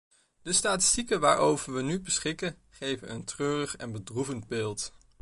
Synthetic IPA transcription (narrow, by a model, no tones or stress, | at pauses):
d̥əstaːtɪ̥stikəʋaːɹʔowvəɹʋənybəsχɪkə | χejvənəntrøːrəχɛ̰nbədruvənd̚bɪːlˠt